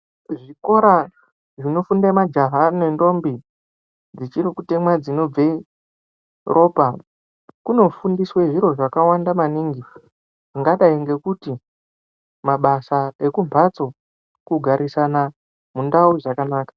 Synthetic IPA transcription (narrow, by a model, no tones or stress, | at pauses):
ʐiko̞ɾa | ʐino̞fundamad͡ʒaɦanendo̞mbi | d͡zit͡ʃirikute̞mwad͡zino̞b͡ve | rʔo̞ːpa | kuno̞fundisweʐiɾo̞ʐakawandamaniːŋɡi | ʐ̥iŋɡaɗaiŋɡe̞kuti | maɓasae̞kumpʰat͡so̞ | kuɡʱaɾisana | mundauʐakanaːkḁ